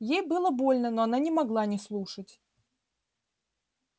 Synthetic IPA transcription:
jejbɨlˠəbo̞lʲnənoɐnanʲɪmɐɡlˠanʲɪslˠuʂətʲ

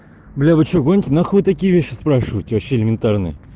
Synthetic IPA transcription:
blʲævɨt͡ɕoɡonʲtʲɪnaxvɨt̪ɐkʲijəvʲeɕːɪspɾaʂɨvəɨjtʲɪɐɕːeɪlʲɪmʲɪnt̪arnɨjə̰

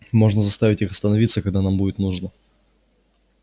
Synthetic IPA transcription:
mo̞ʐnəzɐst̪avʲɪtʲixɐst̪ənɐvʲit̪səkɐɡ̚d̪anambudʲɪt̪nuʐnə

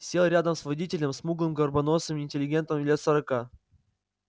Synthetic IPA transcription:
sʲe̞lˠɾʲad̪əmsvɐdʲitʲɪlʲəmsmuɡlˠɨmɡərbɐnosəmɪːnʲtʲɪlʲɪɡʲe̞nt̪əmlʲet̪səɾɐka

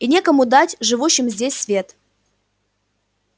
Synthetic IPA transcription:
inʲe̞kəmʊd̪atʲʐɨvuɕːɪmzʲdʲesʲsvʲe̞t̪

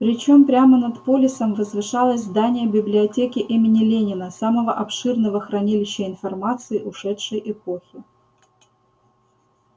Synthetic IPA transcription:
pɾʲɪt͡ɕo̞mpɾʲamənɐt̪po̞lʲɪsəmvəzvɨʂalˠəsʲzd̪anʲɪjəbʲɪblʲɪɐtʲekʲɪʔimʲɪnʲɪlʲenʲɪnəsaməvəʔɐpʂɨrnəvəxɾɐnʲilʲɪɕːəɪnfɐrmat̪sɨɪʔʊʂɛtʂəjʔɛpo̞xʲɪ

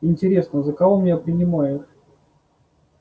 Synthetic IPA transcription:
ɪnʲtʲɪɾʲesnəzəkavomʲnʲapɾʲɪnʲɪmajɪt̪

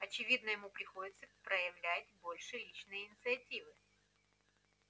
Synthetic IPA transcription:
ɐt͡ɕɪvʲid̪nəjɪmupɾʲɪxo̞dʲɪt̪səpɾəjɪvlʲætʲbo̞lʲʂɨlʲit͡ɕnɨjəɪnʲɪt̪sɨɐtʲivɨ

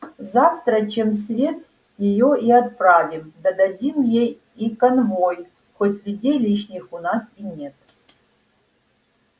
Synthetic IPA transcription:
zaft̪ɾət͡ɕems̬vʲe̞t̪̚ | jɪjoʔiɐt̪̚pravʲimd̪ɐd̪ɐdʲimjej | ikɐnvoj | xotʲlʲʊdʲejlʲiʃnʲɪxʊnasinʲe̞t̪̚

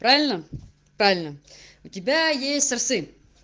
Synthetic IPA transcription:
pɾavʲɪlʲnə | pɾavʲɪlʲnəʊtʲɪbʲajesʲtʲsɐrsɨ

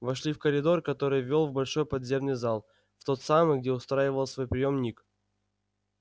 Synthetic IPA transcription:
vɐʂlʲifkəɾʲɪd̪o̞rkɐt̪o̞ɾɨjvʲolˠvbɐlʲʂo̞jpɐd̪zʲe̞mnɨjzalˠ | ft̪o̞t̪samɨjɡ̚dʲeʊst̪ɾajɪvəlˠsvo̞jpɾʲɪjo̞mnʲik

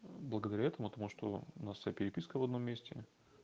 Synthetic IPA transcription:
blˠəɡəd̪ɐɾʲæaɛt̪əmʊpət̪ɐmuʂt̪o̞̰ʊnassʲjapʲɪɾʲɪpʲiskəvɐd̪no̞mʲːesʲtʲɪ̰

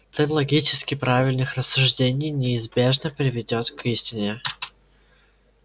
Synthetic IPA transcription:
t̪sɛlʲlˠɐɡʲit͡ɕɪskʲɪpɾavʲɪlʲnɨxrəsːʊʐdʲenʲɪjnʲɪːzbʲe̞ʐnəpɾʲɪvʲɪdʲot̪kʰisʲtʲɪnʲɪ

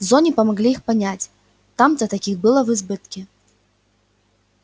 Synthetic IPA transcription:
zɔnʲipɐmaɣlʲiixpanʲat͡sʲ | t̪amt̪ɐt̪akʲixbɨlˠɐvɨzbɨt̪kʲi

